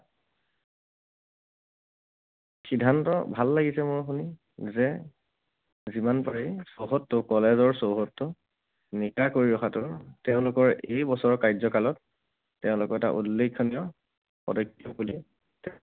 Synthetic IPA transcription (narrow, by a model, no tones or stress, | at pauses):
xidʱːantɔbʱalːaɡisɛmʊɹxuni | zɛ | zimanpaɹisoɦɔtːʊkɔlezɔɹsowɦɔtːʊ | nikakoɹiɹɔxatʊtɛʊ̃lʊkɔɹejbɔsɔɹɔkajzɔkalɔtː | ɛʊ̃lʊkɔɛta̰ʔṵlːekʰːɔnijɔ | ɔ̰dɔjkːiɔkuli | tɛ